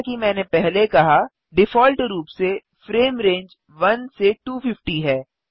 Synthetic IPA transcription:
kimɛ̃ːnepɛɦlekɐɦa | ɖɪfɔːlʈɾuːpse | fɾeːmɾẽːɲd͡ʒ | ʋɐnseʈuːfɪfʈiɦɛː

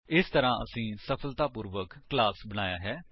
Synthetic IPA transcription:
ɪst̪əɾãːʔə̰sĩːsəpʰəlt̪aːpuːɾʋəkːlaːsbəɽaːja̰ːɦɛː

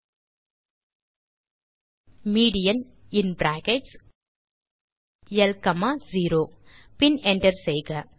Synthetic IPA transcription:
miːɽɪjɐn | ɪnbɾaːkeʈs | jɛlkɐmaːziːɾoː | pɪnɛɳʈɐɾsɛjɣɐ

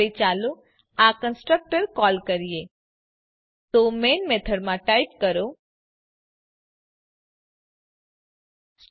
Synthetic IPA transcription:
it͡ʃalũ | akənsʈɾək̚ʈəɾkɔlkəɾie | t̪omenmet̪ʰəɖmãʈaip̚kəɾo

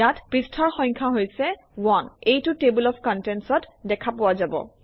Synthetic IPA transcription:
atpɹistʰɔɹxɔ̃jɲkʰaɦojsɛ | wɔnejtʊtebulɔpʰkɔntɛnsɔtdɛkʰapowazabɔ̰

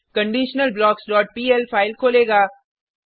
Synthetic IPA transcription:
kɐ̃ɳɖiːʃnəlblɔːksɖɔːʈ̚piːɛlpʰaːɪlkʰoːleːɡaː

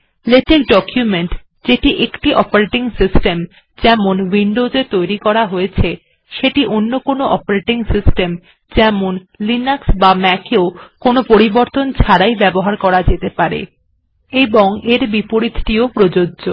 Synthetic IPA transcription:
leʈek̚ɖɔkjumeɳʈ | d͡ʑeʈiʔekʈiʔɔpoɾeʈiŋsisʈem | d͡ʑɛmonwiɳɖod͡ʑet̪ojɾikɔɾaɦojet͡ɕʰe | ʃeʈiʔonːokonoʔɔ̰poɾeʈiŋsisʈem | d͡ʑɛmon | linaksbamɛkeokonopoɾiboɾt̪ont͡ɕʰaɾajbɛboɦaɾkɔɾad͡ʑet̪epaɾḛ | eboŋeɾbipoɾit̪ʰʈiopɾod͡ʑodʑo

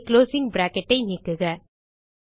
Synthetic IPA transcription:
kloːsɪŋbɾaːkɛʈːɐɪniːkːɯɣɐ

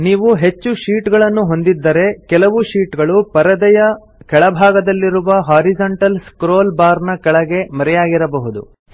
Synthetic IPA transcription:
niːʋuɦe̞t͡ʃːuʃiːʈɡɐɭɐnːuɦo̞nd̪id̪ːɐɾe̞kɛlɐʋuʃiːʈɡɐɭupɐɾɐd̪ɛjɐ | kɛɭɐbʱaːɡɐd̪ɐlːiɾuʋɐɦaːɾid͡ʒɐɳʈɐlskɾoːlbaːɾnɐkɛɭɐɡe̞mɐɾɛjaːɡiɾɐbɐɦud̪ṵ

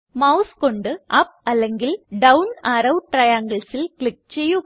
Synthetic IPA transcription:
mɐʊskɔɳɖɯʔɐp̚ɐlːɐŋɡɪlɖɐwnaɾɐʊʈɾɐjaːŋɡɐɭsɪlkɭɪk̚t͡ʃɛjːu

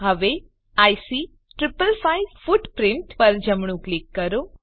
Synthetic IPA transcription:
ɦəʋe | ajsi | ʈɾɪpəlfaifuʈpɾɪ̃ɳʈpəɾd͡ʒəmɳũklɪkːəɾo

